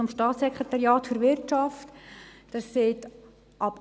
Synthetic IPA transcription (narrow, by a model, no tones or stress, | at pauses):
ɔmʃtɑːtsɛkχʁetɑɾijɑːtfyɾʋɪrt͡ʃɑftd̥ɑsseːt | ʔɑp